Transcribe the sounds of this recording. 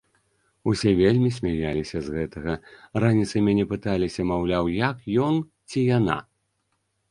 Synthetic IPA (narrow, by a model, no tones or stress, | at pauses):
usʲɛvʲelʲmʲis̬ʲmʲajalʲisʲɐzɣɛt̪ɐɣɐranʲit̪sɐmʲanʲɛpɨt̪alʲisʲɐmawlʲawjɐkjɔn | t͡sʲijana̰